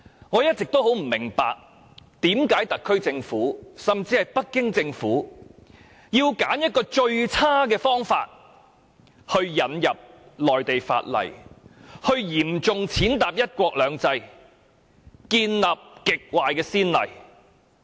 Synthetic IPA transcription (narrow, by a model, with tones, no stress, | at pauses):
ŋɔː˨˧jɐ˥t̚t͡sɪ˨k̚t̪o˥wɦo˨˥wm̩˨˩mɪ˨˩ŋpa̰ː˨k̚ | t̪iː˨˥mkaː˨˥jt̪ɐ˨kʰːɵ˥ɥt͡sɪ˧ŋfuː˨˥sɐ˨mt͡siː˧hɐ˨jpɐ˥t̚kɪ˥ŋt͡sɪ˧ŋfuː˨˥ | jiː˧wkaː˨˥njɐ˥t̚kɔː˧t͡ʃɵ˧ɥt͡sʰaː˥kɛː˧fɔː˥ŋfa̰ː˧t̚ | hɵ˧ɥjɐ˨˥njɐ˨p̚lɔː˨jt̪e˨jfa̰ː˧t̚lɐ̰˨˩jhɵ˧ɥjiː˨˩mt͡sʊ˨ŋt͡sʰiː˨˥nt̪aː˨p̚jɐ˥t̚kʷɔː˧k̚lœː˨˧ŋt͡sɐ˧j | kiː˧nlaː˨p̚kɪ˨k̚waː˨jkɛː˧siː˥nlɐ̰˨˩j